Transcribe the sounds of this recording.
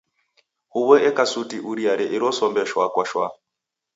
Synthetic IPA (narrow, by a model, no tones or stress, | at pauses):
huβɔɛkasutiʔuɾiaɾɛʔiɾɔsɔmbɛʃwakwaʃwa̰